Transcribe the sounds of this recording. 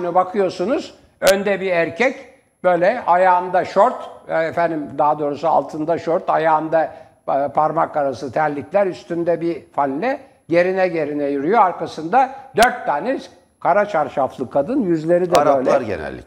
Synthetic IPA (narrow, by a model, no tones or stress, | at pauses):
nɯbakʰɯjo̞sunuz̥ | ønd̪ɛbiæɾcʰɛc | bø̞jlʲɛajaːɯnd̪aʃoɾt̪efænd̪imd̪aad̪o̞ːɾusua̰lˠt̪ʰɯnd̪aʃoɾt̪ajaːnd̪a | pʰaɾmakʰːaɾasɯt̪ʰæɾlʲiclʲæɾyst̪ʰynd̪ɛbifanʲlʲɛ | ɟe̞ɾinɛɟe̞ɾinɛjyɾyjoaɾkʰasɯnd̪ad̪øɾt̪ʰːaːnɛz | kʰaɾat͡ʃʰaɾʃaflˠɯkʰːad̪ɯnjyzlʲe̞ɾid̪ɛɾøːlʲaɾɟḛnɛ̰lʲːɪ̰